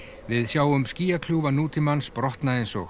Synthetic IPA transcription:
vɪðsjaːwʏmsciːjakʰl̥uːvanuːt̪ɪmanspɾɔht̪naejnsɔx

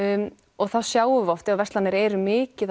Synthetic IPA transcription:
ɔɣθaðsjaːwʏvɔft̪ɪavɛst̪lanɪɾɛːɾʏmɪːcɪð

